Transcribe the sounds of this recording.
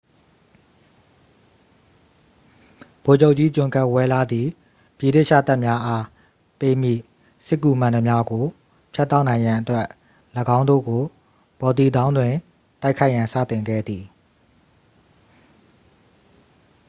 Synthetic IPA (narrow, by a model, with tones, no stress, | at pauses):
b̥o˨d͡ʑo˦ʊʔ̚t͡ɕi˦t͡ɕʊ̃˨ŋka˦ʔwɛ˦la˦d̪ði˨ | pji˨ɾe˦ʔʃä̰˦˨t̪a˦ʔmja˦ʔa˦ | pe˦m̥ḭ˦˨ | sɪ˦kːu˨mã˨ndə˨mja˦ɡo˨ | pʰja˦t̪ːa˦ʊʔnã˨ɪ̃jã˨ʔətwɛ˦ʔ | ləɡã˦ʊ̃ndo̰˦˨ɡo˨ | b̥ɔ˨t̪i˨d̪ã˦ʊ̃ndwɪ̃˨ | ta˦ɪkʰːa˦ɪʔjã˨nsä̰˦˨t̪ɪ̃˨ŋɡɛ̰˦˨d̪i˨